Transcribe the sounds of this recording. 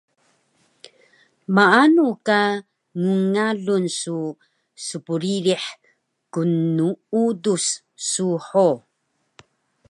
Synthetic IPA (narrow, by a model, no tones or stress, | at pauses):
maanuka | ŋuŋaɮunsu | supuɾiɾiħ | kunuudusː | uħo